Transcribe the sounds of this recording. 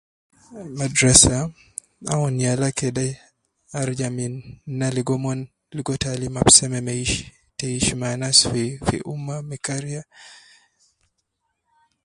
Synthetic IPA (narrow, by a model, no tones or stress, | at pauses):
madɾasa | aɔnijalakɛdaj | aɾd͡ʒaminːaliɡɔmɔn | liɡɔtalimapsɛmɛmɛiʃi̥ | tɛiʃimanasfifḭʔumamikaɾia